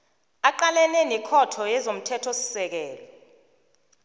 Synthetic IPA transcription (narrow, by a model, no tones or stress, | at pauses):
aǃalɛnɛnɛkʰɔtʰɔjɛzom̩tʰɛtʰɔsi̥sɛk̬ɛːlɔ